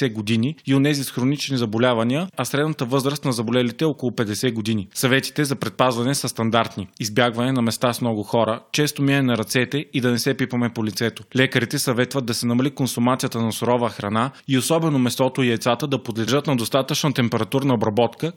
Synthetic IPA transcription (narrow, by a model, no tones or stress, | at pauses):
ɛɡod̪iniionɛzisxɾonit͡ʃnizɐbolʲavɐniəɐsɾɛd̪nɐt̪əvɤzɾəst̪nɐzɐbolɛlit̪ɛɔkolˠʊpɛd̪ɛsɛɡod̪inisɐvɛt̪i̥t̪ɛzɐpɾɛt̪̚pazvɐnɛsəst̪ɐnd̪aɾt̪niizbjaɡvɐnɛnɐmɛst̪asmnɔɡʊxɔɾət͡ʃɛst̪omiɛɛnɐɾɐt̪sɛt̪ɛid̪ɐnɛsɛpipɐmɛpolit̪sɛt̪olʲɛkəɾit̪ɛsɐvɛt̪vəd̪ːɐsɛnɐmɐlikonsʊmat̪sijət̪ənɐsʊɾɔvəxɾɐnaiosɔbɛnomɛst̪ɔt̪oiɛt̪sat̪əd̪ɐpod̪lɛʒɤt̪nɐd̪ost̪at̪ət͡ʃnət̪ɛmpɛɾɐt̪uɾnɐobɾɐbɔt̪kə